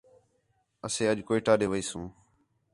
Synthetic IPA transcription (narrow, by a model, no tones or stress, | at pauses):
əsẽːəʄkoːɪʈaːɗeːʋəiːsũː